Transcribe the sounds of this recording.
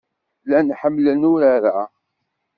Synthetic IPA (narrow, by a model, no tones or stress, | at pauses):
lænħəmːlənʊɾaɾæ